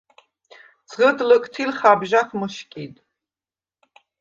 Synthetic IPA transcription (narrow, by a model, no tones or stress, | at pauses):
t͡sʰʁədlɨkʼtʰilχaːbʒaχmɨʃkʲʼijtʼ